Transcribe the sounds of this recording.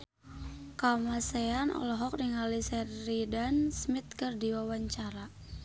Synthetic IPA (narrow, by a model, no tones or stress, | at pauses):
kamaseanɔ̰lɔɦɔk̚niŋalisɛːidansmit̪̚kɨrdiwawaɲt͡ʃaɾa